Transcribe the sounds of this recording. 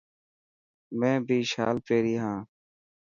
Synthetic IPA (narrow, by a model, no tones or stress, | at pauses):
mɛ̃ːbʱiːʃa̰ːlpeːɾiːɦãː